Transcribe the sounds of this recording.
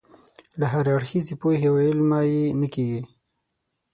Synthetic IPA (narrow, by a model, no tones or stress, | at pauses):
laɦaɾaɽxizepohewɪlmajenakeɡi